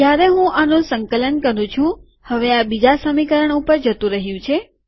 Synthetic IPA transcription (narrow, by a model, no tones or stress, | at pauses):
d͡ʒjaɾeɦũʔanũsəŋkələnkəɾũt͡ʃʰũ | həʋeabid͡ʒasəmikəɾəɳupəɾd͡ʒət̪ũɾəɦjũt͡ʃʰe